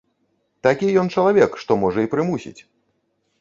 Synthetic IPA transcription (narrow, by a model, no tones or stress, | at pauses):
t̪akʲijɔnt͡ʂɐlˠavʲɛkʂt̪ɔmɔʐɐipɾɨmusʲḭt͡sʲ